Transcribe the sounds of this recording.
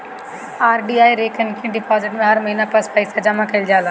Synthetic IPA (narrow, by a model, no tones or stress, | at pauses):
aːɾɖiːaːiɾeːkʰənkʰẽːɖɪpɔːzɪʈmẽɦɐɾmɐɦiːnaplɐspɐɪsad͡ʑɐmakɐɪld͡ʑaːlaː